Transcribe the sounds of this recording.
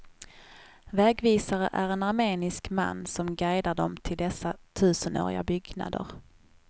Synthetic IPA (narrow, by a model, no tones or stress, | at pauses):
vɛːɡviːsaɾəʔæɾɛnaɾmeːnɪskma̰nːsɔmɡæjd̪aɖɔmt̪ʰɪld̪ɛsːat̪ʰʉ̟ːsəno̰ːɾɪ̰ɡa̰bʏɡna̰d̪ə̰ɾ